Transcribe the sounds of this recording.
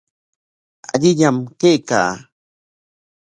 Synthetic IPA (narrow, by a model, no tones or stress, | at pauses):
a̰ʎɪʎamkejka̰ː